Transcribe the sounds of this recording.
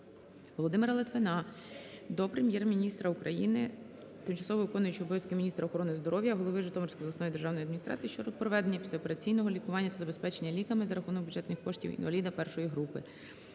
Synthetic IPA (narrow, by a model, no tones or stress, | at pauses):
ʋɔlˠɔd̪ɪmɪɾɐlˠɪt̪ʋɪnɑ | d̪ɔpɾe̞mʲjɛrmʲinʲist̪ɾɐukɾɐjinɪ | t̪ɪmt͡ʃɐ̥sɔʋɔʋɪkɔnʊjʊt͡ʃɔbɔjɐsʲkɪmʲnʲist̪ɾɐɔxɔɾɔnɪzd̪ɔɾɔwjɐɦɔlˠɔʋɪʒɪt̪ɔmɔrsʲkɔjɔlˠɐsnɔjid̪erʒɑwnɔjɐd̪mʲinʲist̪ɾɑ̰t͡sʲijiʃt͡ʃɔɾɔpɾɔʋɛd̪enʲːɐpʲisʲɛɔpe̞ɾɐt͡sʲijnɔɦɔlʲikʊʋɑnʲːɐt̪ɐzɐbespɛt͡ʃenʲːɐlʲikɐmɪzɐɾɐxunɔk̚bʲudd͡ʒʒɛt̪nɪxkɔʃtʲḭwḭnʋɐlʲid̪ɐpɛrʃɔjiɦɾupɪ̰